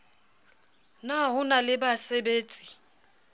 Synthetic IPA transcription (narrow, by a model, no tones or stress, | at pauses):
naɦʊnalɪbasebeːt͡sʼi̥